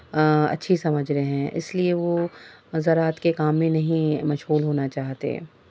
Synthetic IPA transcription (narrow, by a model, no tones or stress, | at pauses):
ɐ̰tːʃʰisɐməd͡ʒʱɾɛɦɛ̃ːʔɪ̰slieʋozɐɾaːt̪kekaːmːẽnɐɦĩmɐʃɦuːlɦoːnat͡ʃaːɦt̪ḛ